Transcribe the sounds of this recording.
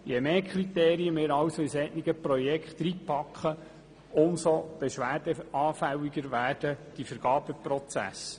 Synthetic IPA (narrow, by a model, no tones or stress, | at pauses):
jemeːkʰχɾiteːɾiəmɪːɾɑwsoisɛtnɪɡəprɔjɛkχtɾipʰːɑkχə | ʊmsob̥eʃʋæːɾd̥əɑːfæwiɡəɾʋæːrd̥əd̥ifəɾɡ̥ɑːb̥əprɔt͡sæ̰s